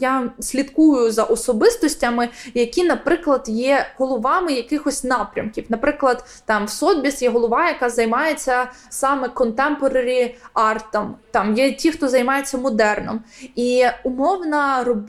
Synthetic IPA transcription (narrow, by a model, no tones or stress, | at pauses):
jasʲlʲit̪kujʊzɐʔɔsɔbɪst̪ɔsʲtʲɐmɪjɐkʲinɐpɾɪklˠɐd̪jɛɦɔlˠɔʋɑmɪjɐkɪxɔsʲtʲnɑpɾʲɐ̰mkʲiwnɐpɾɪklˠɐd̪ | t̪ɑmwsɔd̪̚bʲisjɛɦɔlˠɔʋɑjɐkɑzɐjmɑjet͡sʲːɐ | sɑmɛkɔnt̪ɛmpɔɾɐɾʲiɑrt̪ɐmt̪ɑmjɛtʲixt̪ɔzɐjmɑjet͡sʲːɐmɔd̪ɛrnɔmiʊmɔwnɐrɔb